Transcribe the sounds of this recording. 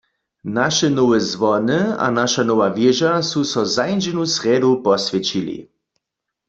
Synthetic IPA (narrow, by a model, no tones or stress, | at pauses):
naʃɛnowɛzʋɔnɨa̰naʃanowavjeʒasusɔzajnd͡ʒɛnusʁɛdupɔsvʲjɛt͡ɕilḭ